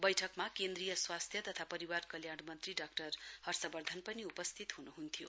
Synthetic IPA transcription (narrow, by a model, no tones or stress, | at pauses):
bʌjʈʰʌkmakend̪rijʌswast̪ʰjʌt̪ʌt̪ʰapʌɾiwarkʌljaɽ̃mʌnt̪riɖakʈʌrhʌrsʌbʌrd̪ʱʌnpʌniupʌst̪ʰit̪ɦunuɦunt̪ʰijo̰